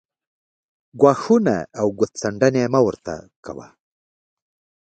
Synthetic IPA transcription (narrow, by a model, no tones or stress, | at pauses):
ɡwɑːxuna̰awɡʊt̪t͡saɳɖanemawəɾt̪a̰ka̰wa̰